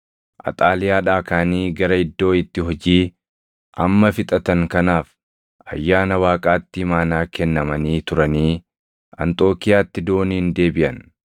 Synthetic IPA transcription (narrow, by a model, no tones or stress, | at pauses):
ʔɐ̰t̪ʼaːlɪjaːᶑaːkaːniːɡɐɾɐɪd̪ːo̞ːɪt̪ːɪɦɔd͡ʒiː | ʔɐmːɐfɪt̪ʼɐt̪ɐŋkɐnaːf | ɐ̰jːaːnɐwaːkʼaːt̪ːɪɪmaːnaːkɛnːɐmɐniːt̪ʊɾɐniː | ɐ̰nt̪ʼo̞ːkɪjaːt̪ːɪd̪o̞ːniːnd̪e̞ːbɪʔɐn